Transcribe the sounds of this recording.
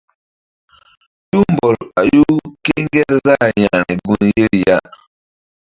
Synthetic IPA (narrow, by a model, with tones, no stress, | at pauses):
tu˦m˨bɔ˨ɾa˨ju˦ke˦ŋɡɛ˦ɾza˦˨ja˨ɾi˨ɡu˦nje˦ɾja˦